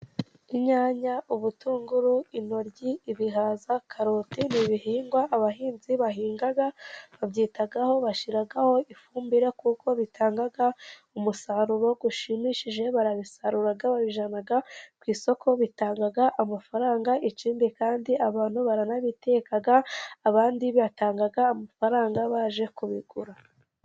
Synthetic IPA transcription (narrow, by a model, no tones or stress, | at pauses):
iɲaːɲauβutuːŋɡuɾuino̞ɾɟiːβiɦaːzakʰaɾo̞tiniβiɦiːŋɡwaʔːβaɦiːnziβaɦiːŋɡaɡaβabɟiːtaɡaho̞βaʃiɾaɡaho̞ʔifuːmbiɾekuko̞βitʰaːŋɡaɡaumusaɾuɾo̞ɡuʃimiʃiʒe̞βaɾaβisaɾuɾaɡaβaβiʒanaɡakwiːso̞kʰo̞βitaːŋɡaɡaʔamafaɾaːŋɡaʔit͡ʃiːnbikaːndiʔaβaːn̥huβaɾanaβite̞kaɡaːβaːndiββataːŋɡaɡaːmafaɾaːŋɡaβaːʒe̞kuβiɡuɾa